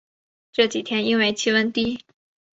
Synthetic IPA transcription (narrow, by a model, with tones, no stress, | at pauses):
ʈ͡ʂɤ˥˩t͡ɕi˨˩t̪ʰjɛ˥ni˥nwe˥˧ɪt͡ɕʰi˥wə˥nt̪i˥